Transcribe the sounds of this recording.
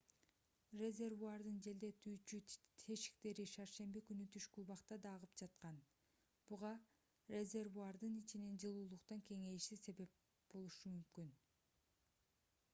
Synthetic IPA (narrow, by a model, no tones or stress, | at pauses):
rʲe̞zʲe̞rvuard̪ɯnd͡ʒe̞ld̪e̞t̪ʰyːt͡ʃyt̪ʰe̞ʃi̥kt̪e̞ɾiʃɑɾʃe̞mbikynyt̪ʰyʃkulˠbɑqt̪ɑd̪ɑːʁɯp̚d͡ʒɑt̪̚qɑn | b̥uʁɑ | rʲe̞zʲe̞rvuard̪ɯnit͡ʃinend͡ʒɯlˠuːlˠuqt̪ɑŋke̞ŋe̞ʃise̞βe̞p̚ | b̥o̞lˠuʃumymkyn